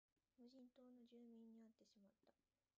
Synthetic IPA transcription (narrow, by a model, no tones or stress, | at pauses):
moʑĩnt̪o̞ːno̞ʑɨːmʲĩɲ̟ːiat̪ːe̞ɕimat̪ːḁ